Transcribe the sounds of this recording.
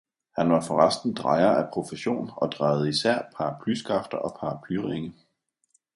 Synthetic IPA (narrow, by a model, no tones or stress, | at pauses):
hænʋɑ̈fɒ̽ʁasd̥n̩d̥ʁɑ̈ɪɐæpʰʁo̝fəɕo̝̰ːnɒ̽d̥ʁɑ̈ɪʊð̞̩ˠəisæɐ̰pʰɑ̈ːpʰlysɡ̥ʁɑfd̥ɐʔɒ̽pʰɑ̈ːpʰlyʁeŋə